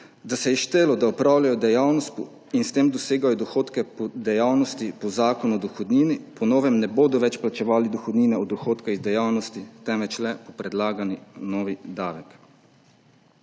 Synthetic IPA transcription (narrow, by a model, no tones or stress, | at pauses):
d̪asɛjɛʃt̪eːlɔd̪aɔpɾaːwlʲjajɔd̪ɛjawnɔst̪ | inst̪eːmd̪ɔseːɡajɔd̪ɔxoːt̪kɛpɔd̪ɛjawnɔst̪ipɔzaːkɔnuɔd̪ɔxɔd̪niːnipɔnɔːʋɛmnɛboːd̪ɔʋɛt͡ʃplat͡ʃɛʋaːlid̪ɔxɔd̪niːnɛɔd̪ɔxoːt̪kaizd̪ɛjawnɔst̪it̪ɛmʋɛt͡ʃlɛpɔpɾɛd̪laːɡaninɔːʋid̪aːʋɛk